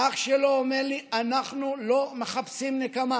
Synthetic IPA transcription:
aχʃeloomeʁlianaχnulo̞me̞χapsimnekama

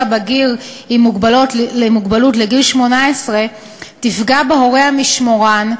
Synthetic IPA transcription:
abaɡiʁ | imuɡbalotlemuɡbalutleɡilʃmo̞naesʁe̞ | tifɡabeɦoʁehamiʃmo̞ʁan

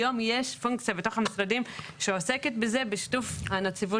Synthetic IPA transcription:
o̞mje̞ʃfuŋkt͡sijabet̪o̞χhamisʁad̪imʃeose̞ke̞t̪̚beze̞beʃi̥tufanat͡sivu

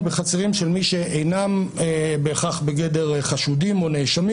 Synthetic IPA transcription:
beχat͡seʁimʃelmiʃeejnamebeːχaχbeɡedeʁχaʃudimo̞neʃami

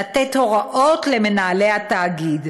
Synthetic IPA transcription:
atetho̞ʁaʔo̞tleme̞naːlehataːɡid

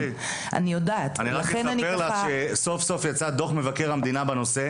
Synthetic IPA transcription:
a̰nijodaːt̪aniʁalaχenanibelaʃeso̞fso̞fjat͡sad̪o̞χme̞vakeʁamd̪inabano̞se̞

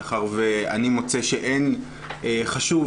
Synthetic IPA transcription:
χaʁvea̰nimo̞t͡seʃe̞ʔen | eχaʃuv

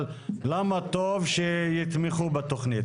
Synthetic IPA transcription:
l | lamat̪ovʃejit̪meχubat̪oχnit̪

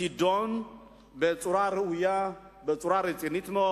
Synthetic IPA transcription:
id̪on | bət͡sʼuɾaɾɨuja | bɐt͡sʼuɾaɾɨt͡sʼinit̪no

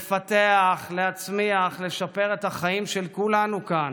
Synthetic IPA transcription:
fat̪eaχleat͡smiaχle̞ʃape̞ʁet̪aχaimʃelkulanukan

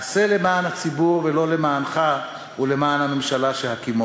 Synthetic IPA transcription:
asele̞maːnhat͡sibuʁvelo̞le̞maːnχa | ule̞maːnhamemʃalaʃelhakimo

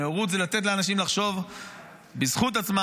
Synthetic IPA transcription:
eoʁut̪zelat̪et̪̬leanaʃ̬imlaχʃo̞v | bizχut̪̬at͡sma

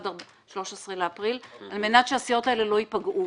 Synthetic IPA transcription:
da | ʃlo̞ʃesʁeleapʁilalmenat̪ʃeasijo̞taelelo̞ipaɡʔu

